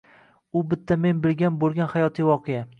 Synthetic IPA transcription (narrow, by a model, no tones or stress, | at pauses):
ʊbɪt̪ʰːame̞nbɪlɡʲanbolˠɡʲanhajɒt̪ʰijwɒqʰeja